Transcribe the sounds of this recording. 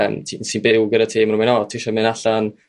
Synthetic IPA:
mtʰinsinbɪwɡədatʰiːmrʊmɛnɔtʰiːʃamɨnaɬan

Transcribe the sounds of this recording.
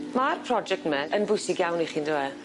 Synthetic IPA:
marpʰrɔd͡ʒɛk̚tmɛənbʊjsɪɡjawniχiːndəwɛ

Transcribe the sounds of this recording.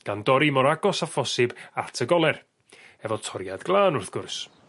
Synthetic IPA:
ɡ̥andɔɾimɔɾaɡɔsafɔsɪbatʰəɡɔlˠɛr | ɛvɔtʰɔɾjadɡlˠaːnʊrθɡ̥ʊrs

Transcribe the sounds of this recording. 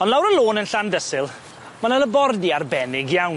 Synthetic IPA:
ɔndlawɾəlˠoːnənɬandəsɪlˠ | manəlˠəbɔrdiarbɛnɪɡjawn

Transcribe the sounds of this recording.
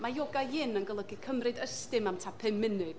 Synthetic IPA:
majɔɡaɪnənɡəlˠəɡikʰəmrɨdəstɨmamtʰapʰɨmːɪnɨ

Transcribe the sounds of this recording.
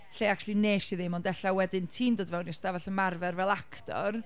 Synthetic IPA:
ɬejaklˠineːʃiðɪmɔndɛɬawɛdɪntʰiːndoːdvɛwniɛsd̥avɛɬənmarvɛrvɛlˠakʰtɔ̰r

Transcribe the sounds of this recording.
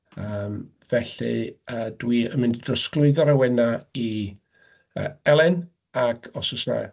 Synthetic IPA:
əːm | v̥ɛɬɨ̰əːd̥wiənmɪnddrɔsklʊɨðɔɾawɛnai | ə̰ːɛlˠɛn | akʰɔsʊsna̰

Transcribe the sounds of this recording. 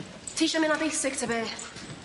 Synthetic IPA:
tʰiʃəmɪ̃nabisɪk̚tʰəbɛː

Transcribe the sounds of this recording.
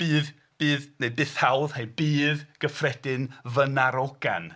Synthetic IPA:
b̥iːð | b̥iːðnebɨθhawðhejbiːðɡ̥əfrɛdɪnvənaɾɔɡa̰n

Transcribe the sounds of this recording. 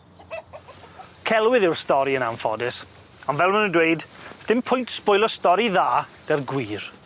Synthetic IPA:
kʰɛlˠwɪðɪwrstɔɾiənamfɔ̰dɪs | ɔnvɛlˠmənəndweɨdsdɪmpʰʊjntspʊjlˠɔstɔɾiðaːd̥ɛrɡwiːr

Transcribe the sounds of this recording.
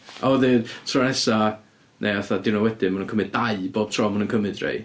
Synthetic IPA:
ʔɔðɨːdtʰrɔnɛsa | nʔeaθadɪwnɔwɛdɪmanənkəmɨd̚daɨbob̥̚tʰrɔmanənkʰəmɨdrḛj

